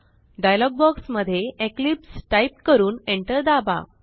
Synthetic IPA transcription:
ɖajlɔɡ̚bɔksməd̪ʱːjeʔeklipsʈajp̚kəɾuːneɳʈəɾd̪aba̰

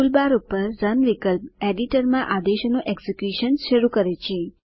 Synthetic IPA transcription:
ulbaɾupəɾzənʋikəlpeɖiʈəɾmãʔad̪eʃnũʔeɡsikjuʃənsʃəɾukəɾet͡ʃʰe

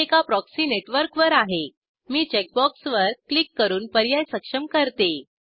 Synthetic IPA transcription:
ekapɾɔksiːneʈʋəɾkʋəɾaɦe | miːt͡ɕek̚bɔksʋəɾklikːəɾuːnpəɾjajsəkʂəmkəɾt̪e

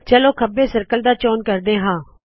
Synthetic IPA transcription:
t͡ʃəloːkʰəbeːsəɾkəld̪aːt͡ʃɔːnkəɾd̪eːɦãː

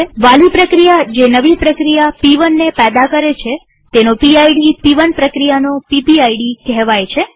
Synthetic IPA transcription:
ʋalipɾəkɾijad͡ʒenəʋipɾəkɾijapiʋənːepɛd̪akəɾet͡ʃʰe | t̪enopiajɖipiʋənpɾəkɾijanopipiajɽikɛɦʋajt͡ʃʰe

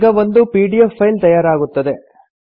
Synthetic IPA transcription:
ɡɐʋond̪upiːɖijefʰːɐjlt̪ɐjaːɾaːɡut̪ːɐd̪e

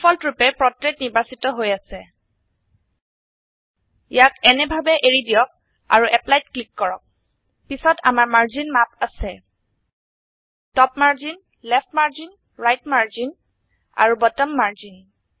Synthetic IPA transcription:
fʰɔltɹupɛpɹɔtɹetniɹbasitɔɦojasɛ | jakɛnɛbʱabɛʔeɹidijɔk̚ | a̰ɹuʔɛplajtklikːɔɹɔk̚ | pisɔta̰maɹmaɹzinmapasɛ | tɔpmaɹzin | lɛfʰtmaɹzin | ɹajtmaɹzin | a̰ɹubɔtɔmːaɹzin

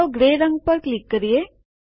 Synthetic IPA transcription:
ɡɾeːɾɐŋɡ̚pɐɾklikːɐɾje

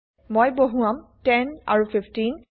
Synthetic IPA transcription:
mojboɦuamtɛna̰ɹupʰipʰtin

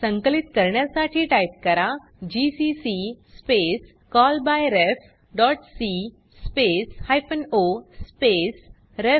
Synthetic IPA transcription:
sə̃ŋkəlit̪kəɾɳjasaʈʰiːʈaip̚kəɾa | d͡ʑisisispes | kɔlbajɾef | ɖɔːʈsi | speshajpənospes | ɾe

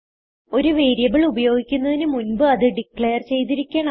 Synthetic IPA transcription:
o̞ɾuʋe̞ːɾjɐbiɭubɐjo̞ːɡikʲːunːɐðinɨmunbɨɐðɨɖikɭeːɐrt͡ɕe̞jt̪̬iɾikʲːeːɳɐ

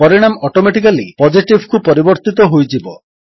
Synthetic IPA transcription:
pɔɾiɽ̃amɔʈomeʈik̬alipɔd͡ʒiʈibʱkupɔɾibɔɾt̪it̪ɔɦojd͡ʒibɔ

